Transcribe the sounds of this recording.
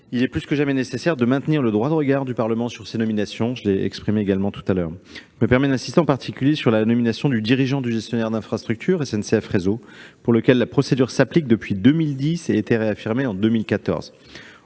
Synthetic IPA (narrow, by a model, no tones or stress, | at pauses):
ilɛplyskəʒamɛnesesɛʁd̪əmɛ̃t̪niʁləd̪ʁwad̪əʁəɡaʁd̪ypaʁləmɑ̃syʁsenɔminasjɔ̃ʒəleɛ̰kspχimeeɡalmɑ̃t̪u̥t̪alœːʁʒməpɛʁmɛd̪ɛ̃sist̪eɑ̃paʁt̪ʰikʲyljesyʁlanɔminasjɔ̃d̪yd̪iʁiʒɑ̃d̪yʒɛst̪jɔnɛʁd̪ɛ̃fχast̪χyk̚t̪ʰyʁɛsɛnseɛfχezopuʁləkʲɛlːapχɔsed̪yʁsaplik̚d̪əpɥid̪ømild̪iseːt̪eʁeafiʁmeɑ̃d̪ømilkat̪ɔ̰ʁz̥